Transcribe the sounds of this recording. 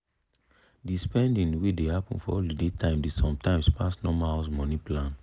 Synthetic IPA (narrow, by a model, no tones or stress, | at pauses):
dispɛ̃ndĩnwedehapɔ̃nfɔ̰ɔldidetʰãɪ̃mdesɔ̃mtãɪ̃mspʰasnɔmaasmɔ̃nĩplãn